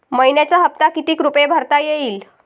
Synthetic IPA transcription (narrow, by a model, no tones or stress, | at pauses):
məjnjat͡ɕaɦəp̚t̪akit̪iːkɾupebʱəɾt̪ajeiːl